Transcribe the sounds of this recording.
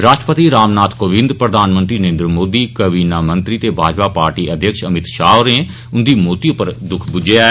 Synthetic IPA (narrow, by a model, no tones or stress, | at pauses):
ɾaːʃʈəpət̪iɾaːmnaːt̪koːʋɪ̃nd̪pɾəd̪ʱaːnmə̃nt̪ɾiːnəɾẽːnd̪ɾəmoːd̪iːkəbiːnaːmənt̪ɾiːt̪eːbʱaːd͡ʒpaːpaːɾʈiːəd̪ʱjəkʃəmɪt̪ʃaːʊɾẽː | ʊnd̪iːmoːt̪iːʊpəɾd̪ʊkʰbʊd͡ʒea